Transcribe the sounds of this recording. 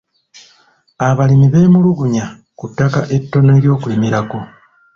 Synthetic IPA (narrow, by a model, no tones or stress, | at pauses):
aβalimiβe̞ːmuluɡuɲa | kutːakaʔe̞tːo̞ne̞ːɾjo̞ːkulimiɾako̞